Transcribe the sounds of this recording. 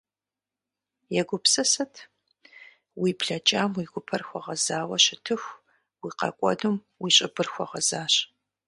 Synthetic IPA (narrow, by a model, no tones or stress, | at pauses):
jɛɡʷʊpsɐsɐtʰ | wiːpɬɐt͡ʃʼaːmwiːɡʷʊpʰɐrxʷɔʁɐzaːwɐɕɪtʰɨxʷ | wiːqɐ̰kʷʼɔ̰dum | wiːɕʼɪbɨrxʷɔʁɐzaːɕ